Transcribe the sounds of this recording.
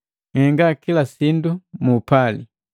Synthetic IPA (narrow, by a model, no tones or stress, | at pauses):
ŋɛŋɡakilasindumuːpali